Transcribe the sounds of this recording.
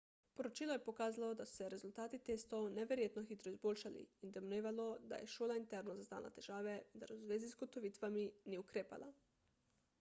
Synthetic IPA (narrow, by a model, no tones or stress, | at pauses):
poɾot͡ʃiːlɔjɛpokaːzalɔd̪asu̥sɛɾezult̪aːt̪it̪eːst̪ownɛʋeɾjeːt̪nɔxit̪ɾɔizboːlʃalḭind̪ɛmneːʋalod̪a̰jɛ̰ʃoːlaint̪ɛɾnozazd̪a̰ːlʔa̰t̪ɛʒ̥aːʋɛind̪a̰ɾuzʋeːzizɡot̪oʋiːt̪ʋaminiukɾeːpa̰la̰